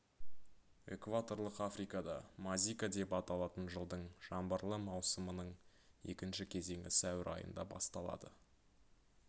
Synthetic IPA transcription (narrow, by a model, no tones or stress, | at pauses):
e̞̰kvat̪o̞ɾlˠəqafɾijkɑd̪ɑmazʲijkad̪e̞pɑt̪ɑlˠɑt̪ənʒəlˠd̪əɴʒ̥ɑmbəɾlˠəmɑwsəmənəɴe̞̰kʲɪnʃɪkʲʰe̞ze̞ŋʲɪsæwɪɾʔɑ̰jə̰nd̪ɑbɑ̰st̪ɑlˠɑ̰d̪ə